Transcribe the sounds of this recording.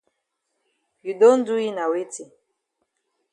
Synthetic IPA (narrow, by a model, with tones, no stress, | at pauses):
ju˨do˦n̩˦du˦i˦na˨we˦ti˨